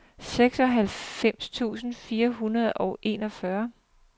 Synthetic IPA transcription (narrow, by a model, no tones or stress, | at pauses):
seɡ̥sɒ̽ɦælfem̰st͡sʰṵːsn̩fiːɐɦunɐð̞ˠʔɒ̽ʊʔe̝̰nɒ̽fɶɐ